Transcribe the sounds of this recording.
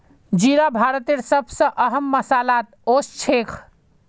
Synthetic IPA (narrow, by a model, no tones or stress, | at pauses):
d͡ʒiɾabʱaɾət̪eɾsəbʱsə̃ʔəɦəmːəsalat̪ost͡ʃʰekʰ